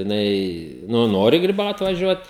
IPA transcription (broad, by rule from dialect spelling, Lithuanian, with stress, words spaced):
jɪˈnɐɪ ˈnʊ ˈnoːrʲɪ ɡrʲɪˈbɐʊt ʋɐˈʒʲuɔt